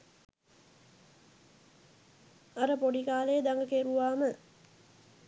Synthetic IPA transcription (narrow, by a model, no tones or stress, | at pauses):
aɾəpoɖikaːlejːd̪aŋɡəkeɾuʋaːmə